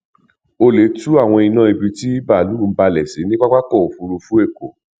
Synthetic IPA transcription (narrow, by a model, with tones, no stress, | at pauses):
o˧le˨˦tu˦a˦˨w̃ɔ̃˧i˧nã˦i˧bi˧ti˦i˦ba˦˨lu˨˦˨m̩˦ba˧lɛ˨si˨˦nĩ˦k͡pa˦k͡pa˦kɔ˦˨fu˧ɾu˧fũ˦e˦˨ko˨